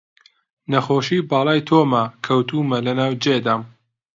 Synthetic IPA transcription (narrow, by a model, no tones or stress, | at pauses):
nɐxoːʃiːbɑːlˠɑːjt̪ʰoːmɐkʰɐwt̪uːmɐlɐnaːwd͡ʒed̪aːm